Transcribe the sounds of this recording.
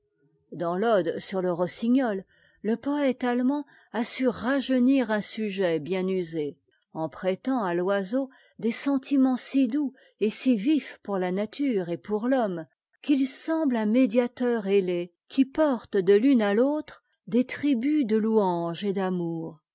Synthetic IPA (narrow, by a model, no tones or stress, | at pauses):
d̪ɑ̃lɔd̪syʁləʁɔsiɲɔlː | əpɔɛt̪almɑ̃ | asyʁaʒəniʁɛ̃syʒɛbjɛ̃nyze | ɑ̃pχɛt̪ɑ̃alwazo | d̪esɑ̃t̪ʰimɑ̃sid̪u | esivifpuʁlanat̪ʰyʁepuʁlɔm | kilsɑ̃blɛ̃med̪jat̪œʁele | kʲʰipɔʁt̪d̪əlynalot̪χ | d̪et̪χibyd̪əluɑ̃ʒed̪amuːʁ